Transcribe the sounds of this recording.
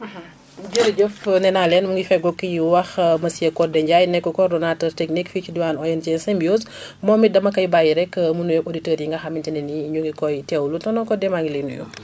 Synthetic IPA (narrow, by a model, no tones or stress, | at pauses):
ɟəɾɟəfnɛnalɛnmuŋɡifɛɡɔkːijiwɐxmɐsijɐkɔdɛɲɟajnɛkːɔkɔrdɔnaːtərtɛknikficiduwaːnɔjɛnt͡ʃɛnsɛmbiosmɔːmidɐmɐkɐjbajiɾɛkːmunujɔʔoditəːɾjiŋɡɐxɐmintinɛniɲuɡikɔjtɛwlutɔnɔkɔdɛmaŋɡilɛnujṵ